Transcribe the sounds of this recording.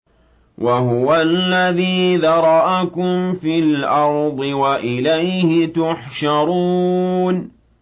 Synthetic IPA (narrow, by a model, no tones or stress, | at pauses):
wʔaɦʊwalːaðiːðɑɾˤɑʔakʊmfɪlʔɑɾˤd̪ˤɨwaʔɪlajhɪt̪ʊħʃɑɾˤuːn